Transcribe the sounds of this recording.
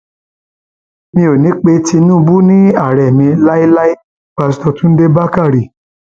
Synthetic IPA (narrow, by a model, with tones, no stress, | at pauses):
mĩ˧˦o˨nĩ˨˦k͡pe˧ti˧nũ˦˧bu˦nĩ˦a˦˨ɾɛ˨mĩ˧la˦i˦la˦i˦ | k͡pa˧˨s̬i̥˦tɔ˧tũ˦n̩˦de˦ba˦ka˦˨ɾi˨